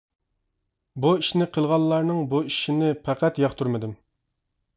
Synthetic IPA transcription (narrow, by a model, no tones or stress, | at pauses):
buiʃnɪqʰəlˠʁɑnˠːɑɾnɨŋbuiʃinɪpʰæqæt̪jɑχt̪ʰuɾmɨd̪ɪm